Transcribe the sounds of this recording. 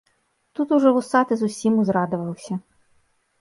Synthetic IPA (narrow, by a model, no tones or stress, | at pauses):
t̪ut̪uʐɛʋʊsɑt̪ɪzʊsʲimuzɾɑd̪ʊʋɐlˠsʲɐ